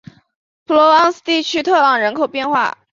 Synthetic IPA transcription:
pʰlɔ˧˥ɑ˥ŋs̩˥˧t̪i˥˩t͡ɕʰy˥t̪ʰɤ˥˩lɑ˨˩ŋɻə˧˥nkʰo˨˩ʊpjɛ˥˧nxwa̰˥˩

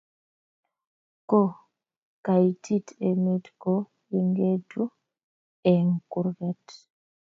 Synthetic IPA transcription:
kɔ˦˨ | ka˨jtʰi˦te˨me˦tkɔ | ji˨ŋɡe˦du˦ | ɛ˨ŋku˨ɾɣɛ˦t

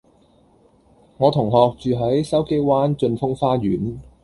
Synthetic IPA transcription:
ŋɔː˨˧t̪ʰʊ˨˩ŋɦɔː˨k̚t͡ʃyː˨ɦɐ˨˥jsɐ˥wke˥jwaː˥nt͡ʃɵ˧nfʊ˥ŋfaː˥ɥyː˨˥n

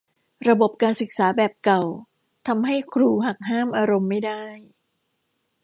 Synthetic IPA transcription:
ɾa˧bo˨˩p̚kaː˧nsɯ˨˩k̚saː˩˦bɛː˨˩p̚ka˨˩w | t̪ʰa˧mɦa˥˩jkʰɾuː˧ɦa˨˩k̚ɦaː˥˩mʔaː˧ɾo˧mːa˥˩jdaː˥˩j

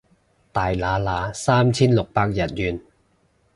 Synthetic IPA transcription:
t̪aː˨˩jlaː˨˧˥laː˨˧˥saː˥mt͡sʰiː˥nlʊ˨k̚paː˧k̚jɐ˨˩t̚jyː˨˧n

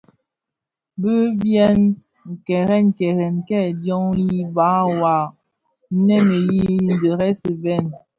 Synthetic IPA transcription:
bə˦bjɛ˦n | ŋ̩˨kɛ˨ɾɛ˦n˨kɛ˨ɣɛ˨nkɛ˦˨djɔ˦ŋji˦ba˨˦wa˨˦ | nɛ˦me˨ji˦n˨də˨ɾɛ˦sə˨vɛ˦˨n

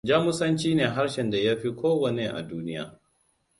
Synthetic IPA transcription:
d͡ʒaː˦mʊ˦sɐ˦nt͡ʃiː˦neː˨ɦa˦ɾʃɛ˨nda˨ja˦ɸi˦kʷoː˦wɐ˨ne˦ʔa̰˨duː˦nɪ˦ja̰ː˨

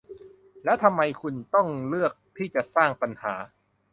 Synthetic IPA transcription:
lɛː˦˥wt̪ʰa˧mːa˧jkʰu˧nt̪ɔ˥˩ŋlɯ˥˩ək̚t̪ʰiː˥˩t͡ɕa˨˩ʔsaː˥˩ŋpa˧nhaː˩˦

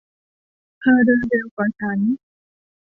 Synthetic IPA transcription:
kʰaː˧˩dɤː˧ndɤː˧wkʰaː˨˩t͡ɕʰa˦˥n

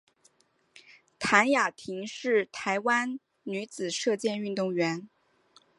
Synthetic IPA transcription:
t̪ʰa˧˥nja˨˩t̪ʰi˧˥ŋʂɻ̩˥˩t̪ʰa˧˥ɪwa˥n | ny˧˥t͡sɹ̩˨˩ʂɤ˥˧t͡ɕjɛ˥˧ny˥˧nt̪ʊ˥˩ŋɥɛ˧˥n

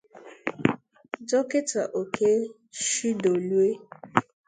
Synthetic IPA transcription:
d͡ʒɔ˦kɪ˦ta˨ʔo˨ke˦ | ʃi˦do˨lu˦e˦

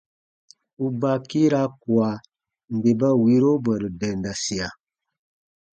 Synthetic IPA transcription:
u˨ba˨ki˦ɾa˦ku˨a˨ | n˨be˨ba˦wi˦ɾo˦bə˨ɾi˨dɛ˨nda˨si˨a˨

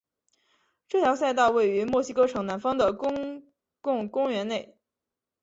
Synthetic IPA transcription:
ʈ͡ʂɤ˥˩t̪jɑ˧˥ʊs̬a˥˧ɪt̪ɑ˥˧ʊwe˥˩ɪy˧˥mwɔ˥˩ɕi˥kɤ˥ʈ͡ʂʰɤ˧˥ŋna˧˥nfɑ˥ŋd̪ə˨kʊ˥ŋ | kʊ˥˩ŋkʊ˥ŋɥɛ˧˥ne˥˩ɪ

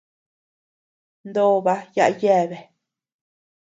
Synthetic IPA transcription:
nd̪o˦˨˧βa˧ja˦ʔa˦je˦˨βe˨

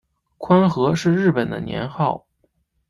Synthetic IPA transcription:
kʰwa˥nxɤ˧˥ʂɻ̩˥˧ɻɻ̩˥˩pə˨˩nd̪ə̰˦njɛ̰˧˥nxɑ˥˩ʊ

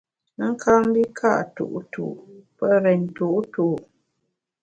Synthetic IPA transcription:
ŋ̩˦kʰa˦m̩˦bi˦kʰa˦˨ʔtṵ˨ʔtʰṵ˨pə˦ɾɛ˨ntu˦˨ʔtu˨

